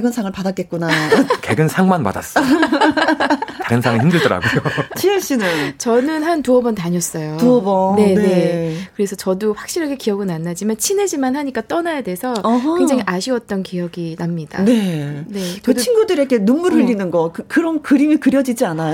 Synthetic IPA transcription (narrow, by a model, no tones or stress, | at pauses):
eɡɯnsʰaŋɯɭpadak͈et̚k͈unakeɡɯnsʰaŋmanpa̰da̰s͈ʌ | tʰaɡɯnsʰaŋɯɭçimdɯɭdʌɾa̰ɡujot͡ɕʰieɕ͈inɯnt͡ɕʌnɯnɦantuʌbʌntaɲʌs͈ʌjotuʌbʌne̞nne̞kɯɾe̞sʰʌt͡ɕʌduɸwak̚ɕ͈iɾɦaɡe̞kijʌɡɯnanːad͡ʑimant͡ɕʰine̞d͡ʑimanɦaɲik͈at͈ʌnajadesʰʌɦkwe̞ŋd͡ʑaŋiʔaɕʰiwʌt̚t͈ʌnkijʌɡinamɲid̥a̰ne̞ne̞t͡ɕdt͡ɕʰinɡudɯɾeɡe̞numːuɾɯʎːinɯnɡʌkɯkɯɾʌnkɯɾimikɯɾjʌd͡ʑid͡ʑianajo